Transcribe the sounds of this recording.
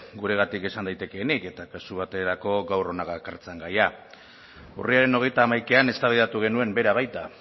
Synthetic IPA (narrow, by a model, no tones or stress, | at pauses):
ɡuɾe̞ɣ̞at̪ike̞sand̪ajt̪e̞ke̞ːnike̞t̪akasuβ̞at̪e̞ɾako̞ɡawro̞naɣakaɾt͡seŋɡaja | ṵriaɾe̞no̞ɣ̞e̞jt̪aːmajkeane̞st̪aβiðat̪uɣ̞e̞nue̞mbe̞ɾaβajt̪a